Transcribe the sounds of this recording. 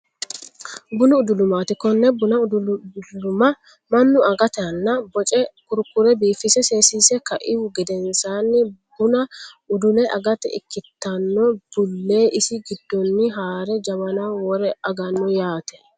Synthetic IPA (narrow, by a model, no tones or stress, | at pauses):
bʊnʊʊd̪ʊlʊmaːt̪ɪkɔnːɛbʊnɐʊd̪lʊmɐ | mɐnːʊɐɡɐt̪ɐnːɐbɔt͡ʃʼɛkʊɾkʊɾɛbiːfɪsɛse̞ːsiːsɛkɐʔɪwʊɡɪd̪ɛnsaːnːɪbʊnɐʊd̪ʊlɛʔɐ̰ɡɐt̪ɛ̰ɪ̰kːɪt̪ːɐnːɔb̥ʊlːe̞ːʔɪsɪɡɪd̪ːɔnːɪɦaːɾɛd͡ʒɐmɐnaːwɔɾɛɐɡɐnːɔjaːt̪ɛ̥